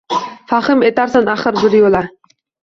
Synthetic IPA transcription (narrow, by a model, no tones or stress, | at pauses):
faχɨmet̪aɾsanaχɨɾbɪɾjolˠa